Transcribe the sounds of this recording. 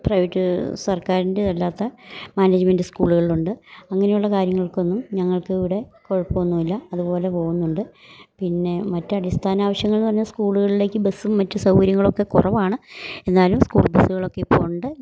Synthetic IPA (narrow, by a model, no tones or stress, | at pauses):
prɐjʋɐtːɨsɐrkaːɾindeelːaːt̪ːɐmaːneːd͡ʑmendɨskuːɭuɣɐɭiɭuɳɖɨɐŋːɐnejuɭːɐkaːɾjɐŋːɐɭko̞nːumɲɐŋːɐɭkɨiʋiɽe̞ko̞ɻɐpːoʋɐnːuʋilːɐɐðubo̞ːle̞po̞ːɣunːuɳɖɨ | pinːe̞mɐtːɨɐɽist̪ʰaːnaːʋɐɕjɐŋːɐɭilnːpɐrɐɲːɐskuːɭuɣɐɭile̞ːkːɨbesːumːɐtːɨsɐwkɐɾjɐŋːɐɭo̞kːe̞kurɐʋaːɳɨe̞nd̪aːlumskuːɭbesːuɣɐɭo̞kːepo̞ːɳɖɨ